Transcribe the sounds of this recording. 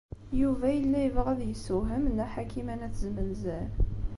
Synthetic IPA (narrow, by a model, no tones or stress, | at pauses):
juvæjəlːæjəvʁæðjəsːuɦəmnæħakːimænæt͡sːzmənzæl